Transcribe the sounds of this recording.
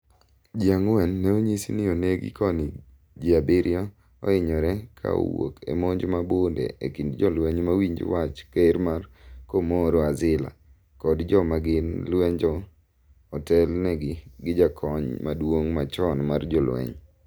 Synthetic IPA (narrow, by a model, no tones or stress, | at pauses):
d͡ʒiaŋwɛnːɛoɲisinɪoneɡɪ̰kɔnɪ | d͡ʒiabɪɾɪjɔ | ɔ̰ɪɲɔɾɛkʰa̰wo̰kḛmoɲd͡ʒmabondḛekindd͡ʒɔlwɛɲmawiɲd͡ʒ̰wat͡ʃkeɾmarkomoɾɔazɪla̰ | kɔdd͡ʒɔmaɡɪnlwɛɲd͡ʒɔ | ɔtɛlnɛɡɪɡɪd͡ʒakʰɔɲma̰dwoŋmat͡ʃɔnmard͡ʒɔlwɛ̰ɲ